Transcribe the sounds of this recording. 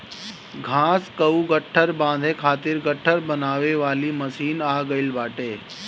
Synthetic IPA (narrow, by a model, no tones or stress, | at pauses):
ɡʱãːskɐuɡəʈʰːəɾbãːnd̪ʱẽkʰaːt̪ɪɾɡəʈʰːəɾbɐnaːʋeʋaːlimɐsiːnaːɡɐɪlbaːʈeː